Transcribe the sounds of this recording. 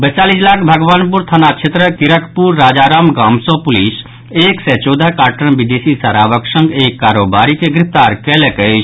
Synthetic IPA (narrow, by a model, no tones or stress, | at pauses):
bət͡ʃaːlislaːkʰbʱəɡʋaːnpuɾt̪ʰənat͡ʃʰet̪ɾəkɪɾəkʰpuɾːaːd͡ʒaːɾaːmɡaːmsõpʊlis | eːkset͡ʃɔːd̪akaːɾʈənʋid̪eːsisaɾaːʋəksə̃ŋɡeːkːaːɾoːbaɾikeɡɾɪpʰt̪aːɾkɛlekət͡ʃʰ